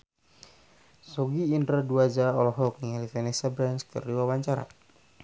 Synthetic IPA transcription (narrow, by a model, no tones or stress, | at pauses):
sɔɡiːndɾaduad͡ʒaɔlɔɦɔk̚niŋalifɛnɛsabɾanskə̰riwawaɲt͡ʃaɾa̰